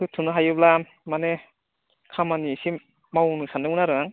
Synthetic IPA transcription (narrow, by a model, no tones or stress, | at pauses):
ɯtʰɯnɯɦajɯbla | mane | kʰamanisi | mawnɯsandɯmunaɾɯŋaŋ